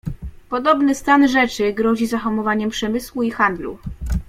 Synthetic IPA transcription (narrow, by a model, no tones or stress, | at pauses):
pɔd̪ɔbnɘst̪anʐɛt͡ʂɘɡɾɔʑizaxɔmɔvaɲɛmpʂɛmɘswuixand̪lṵ